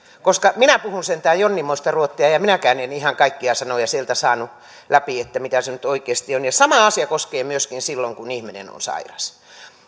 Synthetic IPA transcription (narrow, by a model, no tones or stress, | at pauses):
koskɑminæpuhunsent̪æːjjonːimːoist̪ɑruot̪ːiɑjɑminækæːnenihɑŋkɑikːiɑsɑnojɑsielt̪æsɑːnu | læpiet̪ːæmit̪æsenyt̪oikˑeːst̪ionjɑsɑmɑɑsiɑkoskeːmyøskinsilːoŋkunihminḛno̰nsɑ̰irɑs